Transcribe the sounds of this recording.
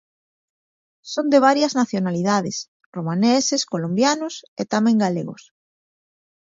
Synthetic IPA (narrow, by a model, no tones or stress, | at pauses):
sond̪eβ̞aɾjaznaθjonaliðaðes | romaneseskolõmbjanoset̪amẽŋɡalḛɣo̰s